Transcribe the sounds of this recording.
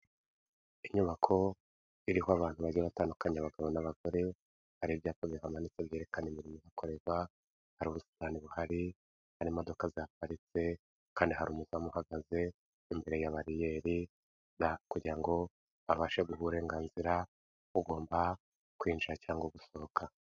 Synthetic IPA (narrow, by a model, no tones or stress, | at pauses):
iɲuβakʰo̞ | iɾihoaβaːn̥huβaɾɟeβataːndukaɲeaβaɡaβo̞naβaɡo̞ɾe̞ | haɾibjaːtoɡihamanit͡seβjeɾe̞kanimiɾimozakʰo̞ɾe̞βwa | haɾuːβusi̥taːniβuhaɾi | haɾimo̞do̞kaziapaɾit͡se̞ | kaːndiɦaɾuːmuzamuhaɡaze̞ | imbe̞ɾe̞jaβaɾije̞ɾi | nakuɟiɾaŋɡo̞ | aβaʃe̞ɡuhuɾe̞ːŋɡaːnziɾa | uɡo̞ːmba | kwiːnd͡ʒiɾacaːŋɡwoɡuso̞okʰa